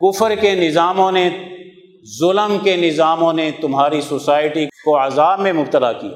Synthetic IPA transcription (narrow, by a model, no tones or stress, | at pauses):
kʊfəɾkenɪzaːmõne | zʊləmkenɪzaːmõnet̪ʊmɦaːɾisoːsaːɪʈikoɐzaːbmẽmʊb̚t̪əlakija̰ː